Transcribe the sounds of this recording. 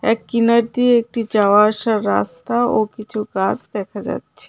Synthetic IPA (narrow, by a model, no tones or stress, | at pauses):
eːkːɪnəɾ̚d̪ieːk̚ʈid͡ʒaʋaːʃaɾa̰ːst̪aokit͡ʃʰuɡaːsd̪eːkʰad͡ʒa̰ːt̪t͡ʃʰɛ̥